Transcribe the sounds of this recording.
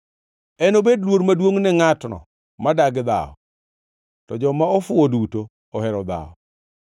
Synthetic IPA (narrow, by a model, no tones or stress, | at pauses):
ɛnobedlwoɾmadwoŋnɛŋatnɔ̰ | madaɡd̪a̰ɔ̰ | tɔd͡ʒɔmaɔfʊoduto | ɔɦɛɾɔd̪a̰ɔ̰